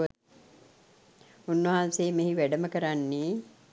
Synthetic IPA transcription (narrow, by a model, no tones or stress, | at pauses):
unːʋəɦanseːmeɦiʋæɖəməkəɾanːeː